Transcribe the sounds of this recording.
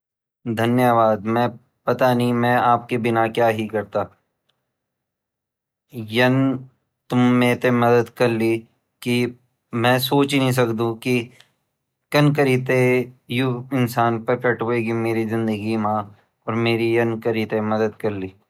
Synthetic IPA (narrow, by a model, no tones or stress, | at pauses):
d̪ʱɐnjəʋaːd̪mɛ̃ | pɐt̪anɐĩmɛ̃aːp̚kibɪnakjaːɦikɐɾt̪aː | jɐn | t̪ʊmːẽːt̪emɐd̪əd̪kɐɾliː | ki | mɛ̃ːsoːt͡ʃnɦĩs̬ɐkd̪ũki | kɐnkəɾit̪ejʊɪnsaːnpɐɾkəʈɦoːeːɡimeːɾizɪ̃nd̪əɡimãː | ɔːɾmeːɾijɐnkɐɾit̪emɐd̪əd̪̚kɐɾliː